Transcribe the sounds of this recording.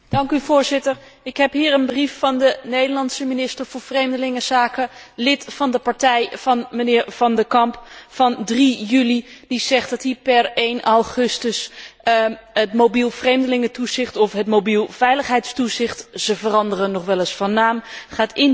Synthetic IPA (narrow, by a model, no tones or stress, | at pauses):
d̥ɑŋkyvʊːɹzɪtəɹɪkɦɛpɦiːɹənbrifːɑndənejdəlɑnsəminɪstəɹv̥ʊːɹvrejmdəlɪŋəzaːkəlɪtfɑndəpɑɹtɛjv̥ɑnmənɪːɹv̥ɑndəkɑmpfɑndrijylid̥iz̥ɛχtdɑtɦipɛɹejnʔawχɵstəs | ətmowbilˠvrejmdəlɪŋətuzɪχtɔfɦətmowbilˠvɛjləχɦɛjtstuzɪχtz̥əvərɑndərənːɔχʋɛləsfɑnːaːmχaːtɪn